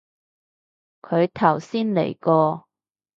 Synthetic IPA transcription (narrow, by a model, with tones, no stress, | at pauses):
kʰɵ˨˧ɥt̪ʰɐ˨˩wsiː˥nlḛ˨˩jkɔː˧